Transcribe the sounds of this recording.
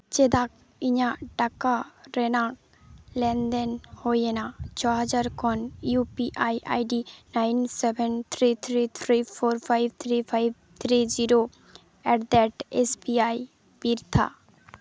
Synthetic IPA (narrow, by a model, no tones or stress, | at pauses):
t͡ʃed̪ak | iɲaʈakaɾenak | lɛnd̪enhojenat͡ʃʰɔɦad͡ʒaɾkʰɔnjupiʔajʔa̰jɖinajnsebʱent̪ʰɾit̪ʰɾit̪ʰɾifʰoɾfʰajb̚t̪ʰɾifʰajb̚ | t̪ʰɾid͡ʒiɾo | ɛʈd̪ɛʈesbiaj | biɾt̪ʰa̰